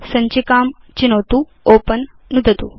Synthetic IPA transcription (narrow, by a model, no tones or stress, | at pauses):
sɐɲt͡ɕikaːm | t͡ɕinowt̪u | opənː | ud̪ʱət̪ṵː